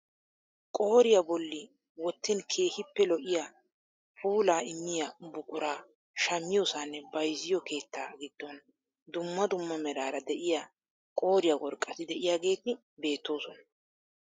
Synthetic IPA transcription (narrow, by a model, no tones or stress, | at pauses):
kʼo̞ːɾɪjabɔlːɪ | wɔt̪ːɪnkʰe̞ːhɪpːɛlɔʔɪjaː | pʰuːlaːɪmːɪjabʊkʼʊɾaː | ʃɐmːɪjɔːsanːɛbɐjzɪjɔke̞ːt̪ːa̰ːɡɪd̪̥ːɔn | d̪ʊmːɐd̪ʊmːɐmɛɾaːɾɐd̪ɛʔɪja | kʼo̞ːɾɪjɐwɔɾkʼːɐt̪ɪd̪ɛʔɪjaːɡe̞ːt̪ɪ | be̞ːt̪ːo̞ːsɔnɐ̥